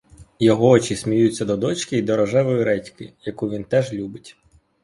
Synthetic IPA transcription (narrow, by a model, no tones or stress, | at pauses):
jɔɦɔɔt͡ʃisʲmʲijut͡sʲːɐd̪ɔd̪ɔt͡ʃkɪid̪ɔɾɔʒɛʋɔjiɾɛtʲkɪjɐkuʋʲint̪ɛʒlʲubɪtʲ